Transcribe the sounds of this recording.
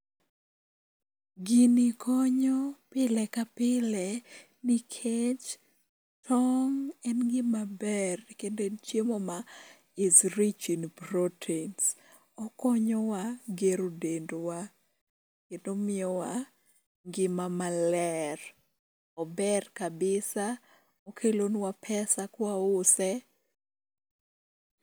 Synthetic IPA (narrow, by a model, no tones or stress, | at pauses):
ɡinikʰɔɲɔpɪlɛkapɪlɛ | nikʰet͡ʃ | tʰɔŋɛnɡɪmabɛrkendot͡ʃemɔma | ɪzɾit͡ʃinpɾotʰens | ɔkɔɲɔwaɡeɾodendwa | kendomɪɔwa | ŋɡɪmamalɛr | ɔbɛrkabɪsa | okʰelonwapʰɛsakwaʊsɛ